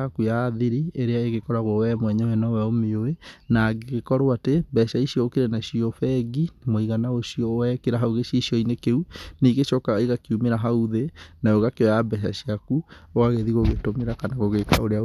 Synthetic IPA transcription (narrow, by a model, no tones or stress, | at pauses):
akujaðiɾieɾeaeɣekɔɾaɣowɛmwɛɲɛwɛnɔwɛomeoenaɡeɣekɔɾoatebɛʃaiʃiɔokeɾenaʃiɔfɛɡimoiɣanaoʃiɔwɛkeɾaɦauɣeʃiiʃjɔinekeuneɣeʃɔkaiɣakiumeɾaɦauðenaoɣakeɔjabɛʃ̬a̰ɕiakuoɣaɣeðiɣoɣetomeɾakanaɣoɣekaoɾea